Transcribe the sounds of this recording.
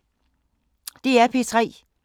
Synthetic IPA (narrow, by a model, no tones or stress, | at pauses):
d̥e̝æpʰe̝t͡sʰʁɛ̰ː